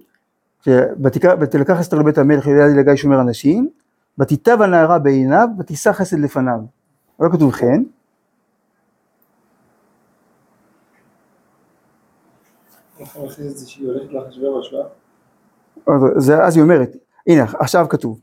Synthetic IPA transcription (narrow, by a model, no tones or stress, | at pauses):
ʃebat̪ikabat̪ilakaχestʁebethameleχojadilaɡajʃo̞me̞ʁanaʃim | bat̪itavanaːʁabeenavbat̪isaχe̞se̞d̪le̞fanav | lo̞kat̬uvχe̞n | aχameχesetzeʃioleχet̪laχaʃveʁaʃva | odezeazio̞me̞ʁet | ʔineaχʃavkatuv